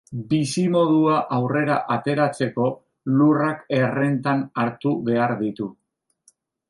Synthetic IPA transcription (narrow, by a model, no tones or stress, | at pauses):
bisimo̞ðuaʔawre̞ɾaʔat̪e̞ɾat͡se̞ko̞ | lurake̞re̞nt̪anaɾt̪uβe̞aɾðit̪u